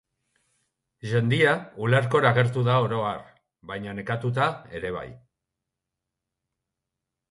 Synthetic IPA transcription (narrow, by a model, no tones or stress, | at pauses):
ʝe̞nd̪iauleɾko̞ɾaɣe̞ɾt̪uðao̞ɾo̞aɾ | βajɲane̞kat̪ut̪ae̞ɾe̞β̞a̰j